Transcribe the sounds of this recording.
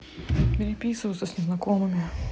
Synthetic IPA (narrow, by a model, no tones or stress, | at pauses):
bʲɪɾʲɪpʲisʊʋʊsɐsʲnʲɛznɐkɔmɨmʲɪ